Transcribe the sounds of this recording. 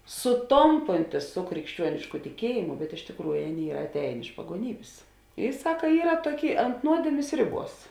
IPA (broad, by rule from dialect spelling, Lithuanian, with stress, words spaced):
sʊˈtoːmpoːnʲtʲɪs sʊ krʲɪkʃʲˈt͡ʃʲuɔnʲɪʃkʊ tʲɪˈkʲiɛjɪmʊ bʲɛt ɪʃ tʲɪkˈruːjʊ ˈɑːˌnʲeːɪ ˈiːrɐ ɐtʲˈɛːjeːn ɪʃ pɐɡuɔˈnʲiːbʲeːs ɪ ˈsɑːkɐ ˈiːrɐ ˈtuɔˌkʲeːɪ ɐnt ˈnuɔdʲeːmʲeːs ˈrʲɪˌbuɔs